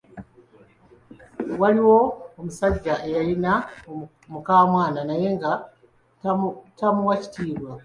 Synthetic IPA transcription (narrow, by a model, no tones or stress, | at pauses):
waliwo̞ːmusaɟːaʔe̞jalinao | mukaːmwaːnanaje̞ŋɡa | tamuwaci̥tiːβwa